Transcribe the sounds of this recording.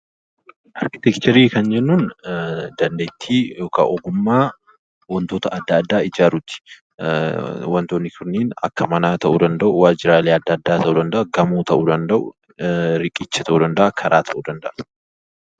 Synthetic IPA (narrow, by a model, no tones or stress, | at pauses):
ʔɐɾkɪ̥t̪ɛkt͡ʃ̪ɛɾiːkɐnd͡ʒɛnːund̪ɐnd̪ejt̪ʰːiːjo̞ːka̰ʔɔɡʊmːaː | wɐnt̪oːt̪ɐʔɐd̪ːɐːd̪ːaːɪd͡ʒaːɾʊt̪ːɪ̥ | wɐnt̪oːnːɪkʰʊnːeːnɐ̰kːɐmɐnaːt̪ɐʔuːd̪ɐnd̪ɐʔʊwaːd͡ʒɪɾaːleːɐd̪ːɐɐd̪ːaːt̪ʰɐʔuːd̪ɐnd̪ɐʔʊɡɐmuːt̪ʰɐʔuːd̪ɐnd̪ɐʔʊ̰ | ɾɪkʼɪt͡ʃːɐt̪ʰɐʔuːd̪ɐnd̪ɐʔɐkʰɐɾaːt̪ʰɐʔuːd̪ɐnd̪ɐʔɐ̥